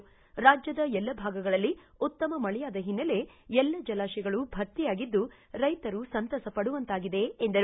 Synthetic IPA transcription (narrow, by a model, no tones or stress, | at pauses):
ɾaːd͡ʒjɐd̪ɐɛlːɐbʱaːɡɐɡɐɭɐlːi | ut̪ːɐmɐmɐɭɛjaːd̪ɐɦinːɐle̞ | ɛlːɐd͡ʒɐlaːʃɛɡɐɭubʱɐɾt̪ijaːɡid̪ːu | ɾɐjt̪ɐɾusɐnt̪ɐsɐpɐɽuʋɐnt̪aːɡid̪e̞ːnd̪ɐɾ